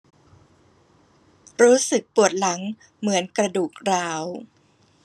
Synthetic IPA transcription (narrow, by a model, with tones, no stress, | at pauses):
ɾuː˦˥sɯ˨˩k̚pu˨˩ə˩t̪̚la˩˦ŋ | mɯ˩˦ənkɾa˧duː˨˩k̚ɾaː˦˥w